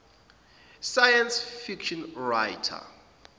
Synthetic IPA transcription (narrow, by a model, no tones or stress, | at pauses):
sajansfikʃɔnɹajtʰa̰